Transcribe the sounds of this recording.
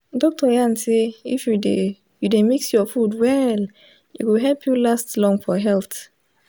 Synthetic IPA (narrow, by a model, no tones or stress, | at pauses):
dɔk̚tɔjãnseifjude | judemiksjɔfudwɛl | jṵɡuɦɛlpʰjulastlɔ̃ŋfɔɦɛlθ